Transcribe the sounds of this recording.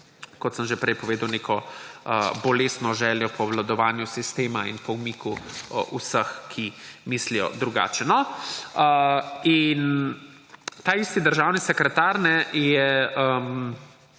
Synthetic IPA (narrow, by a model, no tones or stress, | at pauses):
kɔt̪səmʒepɾɛjpɔʋeːd̪ɐwnekʰɔəbɔleːsnɔʒɛːljɔpɔʋlad̪ɔʋaːnjusist̪eːmainpɔwmikṵʔusəxkʰimislijɔ̰d̪ɾuɡa̰ːt͡ʃɛnɔəin | t̪aːist̪id̪əɾʒawnisɛkɾɛt̪aɾnɛjɛəm